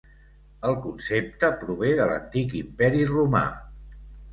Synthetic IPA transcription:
əlˠkunsep̚t̪əpɾuβ̞eðələ̰nt̪ikimpɛɾiruma̰

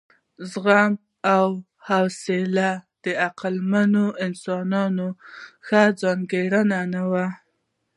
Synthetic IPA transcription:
zɣam | aw | hawselad̪̥əaqalmanoɪnsɑnɑnoxad͡zɑŋɡeɽənanawa

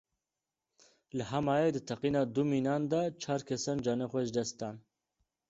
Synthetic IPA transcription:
ləɦɛmɑːjed̪ɨt̪ʰɛqiːnɑːd̪umiːnɑːnd̪ɑt͡ʃʰaːɾkʰɛsɑːnd͡ʒɑːnɛxʷɛʒd̪ɛst̪ɑːn

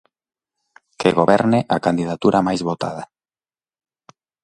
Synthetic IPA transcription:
keɣoβɛɾneʔakand̪ið̞at̪uɾʔamajzβot̪a̰ð̞a

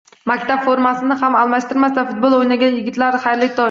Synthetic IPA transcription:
makʲt̪ʰapfoɾmasɪnɪɦamalˠmaʃt̪ɪɾmasd̪afʊt̪̚bolˠojnaɡʲanjɪɡʲɪt̪laɾχajɾlɪk̚ʲt̪ʰɒ

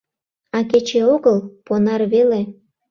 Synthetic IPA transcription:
ɑk̬et͡ɕeoɣəlponɑrβele

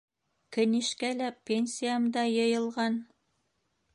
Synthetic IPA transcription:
kɵ̆niʃkælæpʲːenʲsʲijamd̪ɑjɤ̆jɤ̆lˠʁɑn

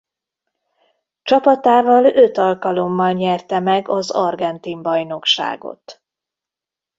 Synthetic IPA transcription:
t͡ʃɒpɒt̪aːvɒlø̞t̪ɒlkɒlo̞mːɒlɲɛrt̪ɛmɛɡɒzɒ̰rɡɛnt̪imbɒjno̞kʃa̰ːɡo̞̰t̪

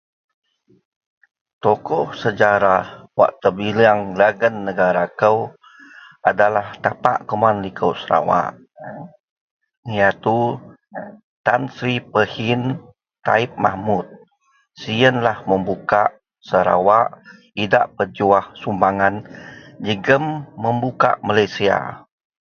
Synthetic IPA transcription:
t̪okɔhsəd͡ʒaɾawa̰ʔt̪əbiliaŋlaɡənːəɡaɾakəw | adalaht̪apa̰ʔkomanlikʰəwsəɾa̰wa̰ʔ | jat̪u | t̪ansɾipəhin | t̪a̰ip̚ma̰hmut̪̚ | siənlahməmbukaʔ | səɾa̰waʔ | idaʔpəd͡ʒuahsumbaŋand͡ʒəɡəmːəmbuka̰ʔmalajsia̰

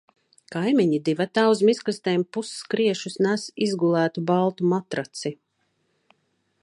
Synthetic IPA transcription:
kajmiɲid̪ivat̪aːuzmisklist̪ɛːmpusskɾiɛʃusnæsizɡulˠæːt̪ubalˠt̪umat̪ɾat̪si

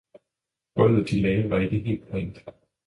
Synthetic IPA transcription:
ɡ̥ɔlð̩ˠd̥ilɛɪʋɑ̈e̝ɡ̥əɦe̝̰ːld̥̚pʰɒeŋ̰d̥

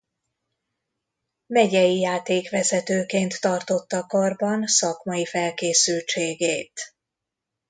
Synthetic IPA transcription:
mɛɟɛjijaːt̪eːkʋɛzɛt̪øːkeːnt̪ːɒrt̪o̞t̪ːɒkɒrbɒnsɒkmɒjifɛlkeːsylt͡ʃeːɡeːt̪

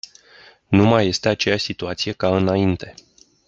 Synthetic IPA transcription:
numajːe̞st̪e̞at͡ʃe̞jaʃsit̪uat̪sije̞kaɨnaint̪e̞

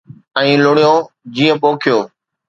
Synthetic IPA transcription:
ɛ̃ːlʊɽijõː | d͡ʑiːə̃poːkʰijoː

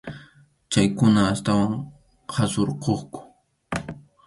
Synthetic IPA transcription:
t͡ʃajkʊnaːst̪awaŋ | qʰasoɾqoχkʊ̥

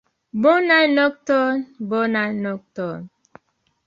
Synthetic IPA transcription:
bonanɔk̚tɔnbonanɔk̚tɔn

